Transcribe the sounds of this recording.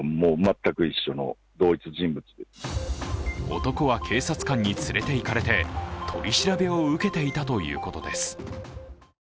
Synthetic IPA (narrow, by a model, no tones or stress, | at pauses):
moːmat̪ːakɯ̟iɕːo̞no̰ | d̪o̞ːit͡sɨʑĩmbɯ̟t͡sɨd̪esn | o̞̰t̪o̞ko̞βakʰe̞ːsat͡sɨ̥kãɲ̟ːit͡sɨɾe̞t̪e̞ikaɾe̞t̪e̞t̪ʰo̞̰ɾʲiɕiɾabe̞o̞ɯ̟ke̞t̪e̞it̪at̪o̞jɯ̟̰ːko̞t̪o̞d̪e̞sɨ̥